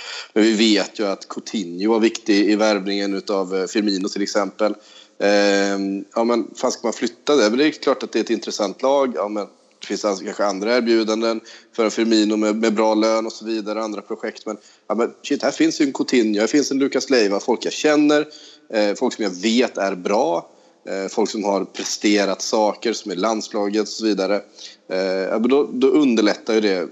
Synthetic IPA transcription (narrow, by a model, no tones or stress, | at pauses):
mɛnvɪveːt̪ʰjɵat̪kʰʊt̪ʰɪnjʊvaɾvɪkt̪ɪɪvæɾvnɪŋənʉ̟ːt̪avfɪɾmiːnʊt̪ʰɪlɛksɛmpəl | jɑːmɛnfaːnskamanflʏt̪ːad̪ɛmɛnd̪ɛkʰlɑːʈat̪̚d̪ɛɛt̪ɪnt̪ɾɛsant̪ʰlɑːɡjɑːmɛn | d̪̥ɛfɪnsakʰanɧəand̪ɾaæːɾbjʉ̟ːd̪and̪ənfœɾɛnfɪɾmiːnʊmɛmɛbɾɑːløːnɔsɔviːd̪aɾəand̪ɾapʰɾʊɧɛkt̪mɛn | jɑːmɛnɕɪt̪̚ːd̪hæːɾfɪnsjɵɛnkʰʊt̪ʰɪnːjʊhæɾfɪnsɛnlʉ̟ːkaslɛjvafɔlkjaɕɛnːəɾ | fɔlksɔmjaveːt̪æɾbɾɑː | fɔlksɔmhaɾpʰɾɛst̪eːɾat̪sɑːkəɾsɔmæɭand̪spʰlɑːɡət̪ɔ̥sɔviːd̪aɾə | jɑ̰ːmɛnd̪ɔd̪ɔʔɵnd̪əɭɛt̪ːajɵd̪ɛ